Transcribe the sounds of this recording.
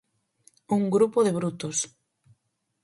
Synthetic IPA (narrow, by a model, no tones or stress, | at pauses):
uŋɡɾupoðeβ̞ɾut̪os